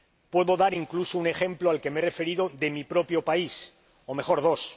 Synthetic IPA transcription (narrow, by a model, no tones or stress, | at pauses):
pwe̞ðo̞ðaɾiŋklusounexẽ̞mploalke̞meere̞fe̞ɾiðo̞ðe̞mipɾo̞pjo̞pais | omexo̞ɾðo̞s